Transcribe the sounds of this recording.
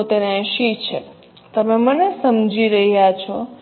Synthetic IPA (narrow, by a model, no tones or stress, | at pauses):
t̪enaʃit͡ʃʰe | t̪əmemənesəmd͡ʒiɾəɦijat͡ʃʰɔ